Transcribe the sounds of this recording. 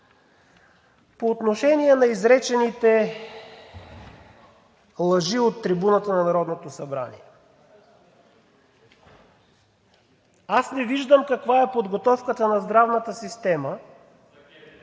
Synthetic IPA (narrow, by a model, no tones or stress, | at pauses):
poːt̪noʃɛniɛnɐizɾɛt͡ʃɛnit̪ɛ | lˠɐʒiot̪ːɾibunət̪ənɐnɐɾɔd̪not̪osɐbɾa̰nḭɛ | asnɛviʒd̪əmkɐkvaɛpod̪ɡot̪ɔfkət̪ənɐzd̪ɾavnət̪əsist̪ɛmə